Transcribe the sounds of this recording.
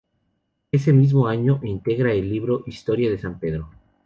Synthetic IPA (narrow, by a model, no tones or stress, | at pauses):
e̞se̞mizmo̞aɲo̞ʔint̪e̞ɣɾaelːiβɾo̞ʔist̪o̞ɾjaðe̞sampe̞ðɾo̞